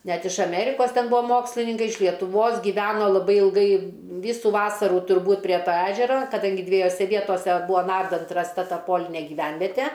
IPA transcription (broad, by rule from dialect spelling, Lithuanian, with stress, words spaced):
ˈnʲɛt ɪʃ ɐˈmʲæːrʲɪkoːs ˈtʲɛn ˈbʊɐ ˈmoːksʲlʲɪnʲɪŋkɐɪ ɪʃ lʲiɛtʊˈʋoːs ɡʲiːˈʋʲæːnoː lˠɐˈbɐɪ ɪlˠˈɡɐɪ ˈʋʲiːsʊ ˈʋɑːsɐruː tʊrˈbuːt pʲrʲiɛ toː ˈæːʒʲɛrɐ kɐˈdɐŋʲɡʲɪ dʲʋʲiɛjoːˈsʲɛ ˈʋʲiɛtoːsʲɛ ˈbuːɐ ˈnɐrdɐnt rɐsˈtɐ ˈtɐ ˈpoːlʲɪnʲeː ɡʲɪˈʋʲɛnʲʋʲɛtʲɛ